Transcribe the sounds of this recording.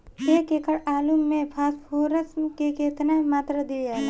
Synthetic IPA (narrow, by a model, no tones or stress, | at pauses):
eːkekəɽaːlumːẽpʰaːspʰoːɾəsmkekeːt̪namaːt̪ɾad̪ie